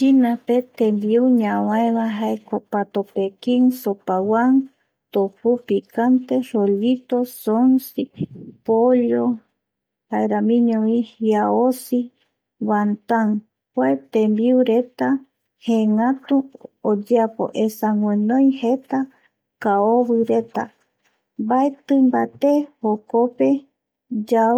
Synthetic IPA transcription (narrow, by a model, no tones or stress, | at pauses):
t͡ʃinãpet̪ẽmbiuɲãwãẽβaɦaekopat̪opekiŋsopawan | t̪opupikant̪eɾoʎit̪osonsipoʎo | haeɾamĩɲõwĩhjaosi | want̪aŋ | pwet̪ẽmbiuɾet̪a | hẽŋãt̪uod͡ʒeapo̰ʔesaŋwẽnõj̃het̪a | kaoβɨɾe̞t̪a̰ | baet̪ɨmbat̪ehokope | d͡ʒa